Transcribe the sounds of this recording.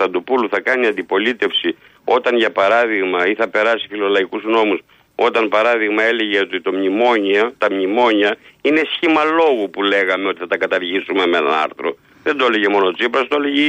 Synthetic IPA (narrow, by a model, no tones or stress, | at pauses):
t̪ɐnd̪upuluθɐkɐniɐnd̪ipo̞lit̪e̞fsi | o̞t̪ɐnʝɐpɐɾɐðiɣmɐiθɐpe̞ɾɐsi̥filo̞lɐikuzno̞mus | o̞t̪ɐnpɐɾɐðiɣmɐe̞le̞ʝeot̪it̪o̞mɲimo̞ɲiɐt̪ɐmɲimo̞ɲɐine̞sçimɐlo̞ɣupule̞ɣɐmeo̞t̪iθɐt̪ɐkɐt̪ɐɾʝisumemenɐ̰nɐ̰ɾθɾo̞̰ | ðend̪oeleʝemo̞not͡sipɾɐst̪oleʝe